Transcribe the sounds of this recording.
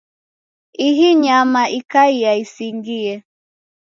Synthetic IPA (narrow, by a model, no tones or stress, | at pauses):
iɦiɲamaʔikaijaisiŋɡiɛ